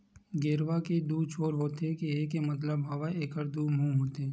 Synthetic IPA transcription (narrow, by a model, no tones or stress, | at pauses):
ɡeːɾʋaked̪uːt͡ʃʰoːɾɦoːt̪ekieːkemɐt̪ləbɦaʋaeːkəɾd̪uːmũːɦoːt̪eɛː